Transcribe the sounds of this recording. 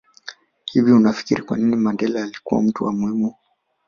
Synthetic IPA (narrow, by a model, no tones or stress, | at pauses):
hiviunafi̥kiɾikwa̰ninimandɛlaːlikṵwa̰m̩tuwamuhimu